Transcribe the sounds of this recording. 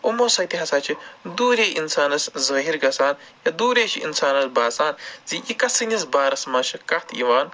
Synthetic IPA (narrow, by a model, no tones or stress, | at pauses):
umosɐt̪iɦɐsaːt͡ʃʰid̪uːɾʲeːʔinsaːnɐszɐɦiɾɡɐsaːn | jɐd̪uːɾeːt͡ʃʰiʔḭnsaːnɐsbaːsaːnziʔikɐsɨnizbaːɾɐsmɐʃɐkɐht̪ʰḭʋaːn